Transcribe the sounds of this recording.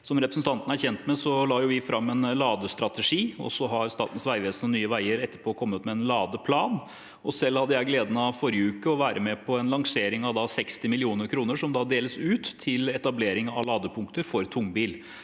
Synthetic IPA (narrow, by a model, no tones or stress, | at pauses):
sɔmɾɛpɾəsn̩t̪ɑnt̪ənæɾçɛnt̪mɛsɔlɑːjʊʋɪfɾɑmːɛnlɑːd̪əst̪ɾɑt̪əʂiːɔ̰sɔɦɑɾst̪ɑ̰ːt̪ən̩sʋæɪʋeːsnənyːəʋæɪəɾɛt̪ːəɾpʰoːɔkʰɔmːət̪mɛɛnlɑːd̪əpʰlɑːn | ɔsɛlːhɑd̪ːəjæɪɡleːd̪nɑfɔɾɪjəʉːkəɔʋæːɾəmɛpʰɔɛnlɑŋseːɾɪŋɑʋd̪ɑsɛkst̪ɪmɪlɪuːnəɾkʰɾuːnəʂɔmd̪ɑd̪eːləsʉːt̪ʰːɪlɛt̪ɑbleːɾɪŋɑ̰ʋlɑːd̪əpʰʊŋkt̪əɾfɔɾt̪ʰʊŋːbiːl